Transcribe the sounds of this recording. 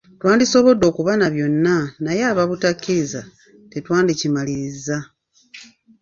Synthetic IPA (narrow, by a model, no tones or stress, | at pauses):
twaːndiso̞βo̞do̞ːkuβanaβjo̞nːanajaːβaβutakːiiza | tetwaːndicimaliɾiza